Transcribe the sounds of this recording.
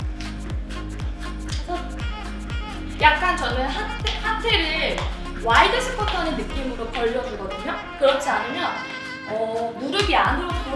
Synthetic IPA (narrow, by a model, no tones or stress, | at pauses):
jak̚k͈ant͡ɕʌnɯnɦatʰehatʰe̞ɾɯ | waidɯɕʰipʰʌtʰʌnɯnːɯk͈imɯɾokʌʎːʌd͡ʑoɡʌdɯɲo | kɯɾʌt͡ɕʰianɯmjʌn | ʌmuɾɯɡianɯɾʌko